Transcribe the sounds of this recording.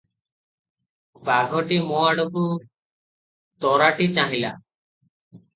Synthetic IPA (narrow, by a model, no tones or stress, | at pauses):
baɡʱɔʈimɔaɽɔku | t̪ɔɾaʈit͡ʃaɦila̰